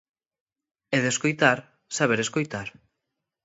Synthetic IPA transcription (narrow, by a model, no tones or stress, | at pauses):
ɛðeskojt̪aɾ | saβ̞eɾeskojt̪aɾ